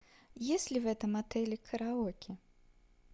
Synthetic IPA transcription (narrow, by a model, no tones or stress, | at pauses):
jesʲlʲivɛt̪ɐmat̪ɛlʲikʰɐɾaɔkʲi